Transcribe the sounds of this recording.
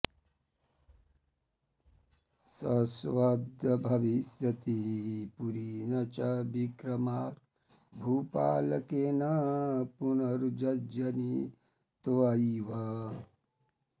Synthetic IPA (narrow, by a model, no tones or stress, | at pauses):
sɐsʋɐd̪ʱjɐbʱɐʋisjɐt̪ipuɾinɐt͡ʃɐbikɾɐmaːɾ | bʱuːpaːlɐkeːnɐpunɐɾud͡ʒɐd͡ʒɐni | t̪ʋaiʋɐ